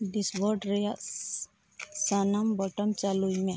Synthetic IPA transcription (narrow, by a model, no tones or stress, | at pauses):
ɖisbɔʈɾɐja | sanambɔʈəmt͡ʃaluimẽ